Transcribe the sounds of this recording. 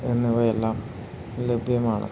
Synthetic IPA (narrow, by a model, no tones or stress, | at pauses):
enːiʋɐelːaːm | le̞bʱjɐmaːɳɨ̰